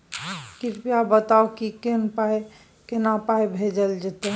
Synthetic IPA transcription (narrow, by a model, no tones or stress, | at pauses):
kiɾpijabət̪aokikenpaj | kenapajbʱed͡ʒəld͡ʒet̪e